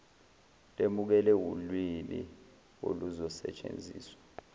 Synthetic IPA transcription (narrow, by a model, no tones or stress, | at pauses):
lemuk̬ɛlɛwulwini | o̰luzɔsɛ̰t͡ʃʼḛnd͡zʱiːswḁ